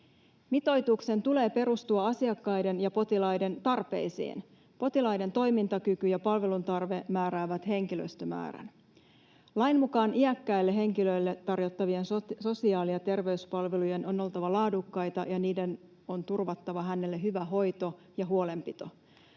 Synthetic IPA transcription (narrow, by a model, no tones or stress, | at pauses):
mit̪o̞jt̪ukse̞nt̪ule̞ːpe̞ɾust̪uɑɑsiɑkːɑjde̞njɑpo̞t̪ilɑjde̞nt̪ɑrpe̞̰isḭːn | po̞t̪ilɑjde̞nt̪o̞jmint̪ɑkykyjɑpɑlʋe̞lunt̪ɑrʋe̞mæːɾæːʋæt̪he̞ŋkilø̰ist̪ømæ̰ːɾæ̰n | lɑjnmukɑːnʔiækːæilːeɦeŋkilø̞jlːet̪ɑrjo̞t̪ːɑʋie̞nsso̞siɑːlijɑt̪e̞rʋe̞yspɑlʋeluje̞no̞no̞lt̪ɑʋɑlɑːdukːɑjt̪ɑjɑniːde̞n | ont̪urʋɑt̪ːɑʋɑɦæne̞lːeɦyʋæɦo̞jt̪o̞ | jɑɦuo̞le̞mpit̪o̞̰